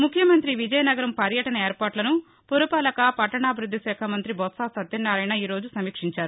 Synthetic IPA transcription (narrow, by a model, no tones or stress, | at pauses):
mukʰjɐmɐnt̪ɾiʋid͡ʒɐjɐnɐɡɐɾɐmpɐɾjɐʈɐnɐeːɾpaːɾʈlɐnu | poɾupɐːlɐkɐpɐʈːɐɳaːbʱiɾud̪ʱːiʃɛːkʰɐmɐnt̪ɾibɔt̪saːsɐt̪ːinːaːɾɐjnɐiːɾo̞ːd͡ʒusɐmiːkʂiɲt͡ʃaːɾu